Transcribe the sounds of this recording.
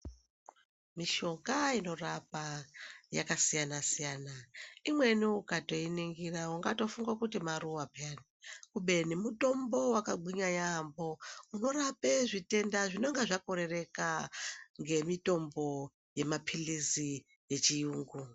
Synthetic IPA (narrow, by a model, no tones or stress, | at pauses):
miʃo̞kaino̞rapaja̰kasijanasijanaimwe̞niukato̞iniŋɡirauŋɡato̞fuŋɡakutimaruapanikuɓe̞nimuto̞mbo̞wakaɡ͡ǃʱiɲaɲambo̞uno̞ɾapeʐite̞ndaʐino̞ŋɡeʐakoɾe̞re̞kaŋɡe̞mito̞mbo̞ | je̞mapʰilizi | je̞t͡ʃijuːŋɡu